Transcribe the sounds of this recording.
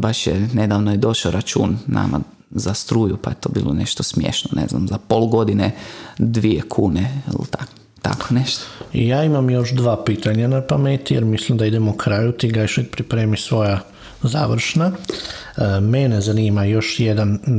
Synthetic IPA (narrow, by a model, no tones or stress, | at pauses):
baʃjene̞d̪aːʋnojed̪o̞ʃaoɾat͡ʃuːnːa̰ma̰ | zast̪ɾuːjupajet̪o̞ːbḭːlˠo̰nḛʃt̪osmjḛʃnonʔḛzna̰mzapolɡo̞d̪ined̪ʋiekʰuːneḭlt̪ak | t̪a̰kʰoneʃt̪o̥jaːimamjo̞ʃd̪ʋaːpiːt̪aɲanapamet̪ijeɾmislimd̪aid̪emokʰɾajut̪iɡajʃikpɾipɾeːmisʋo̞ja | zaːʋɾ̩ʃna | menezaniːmajo̞ʃjed̪an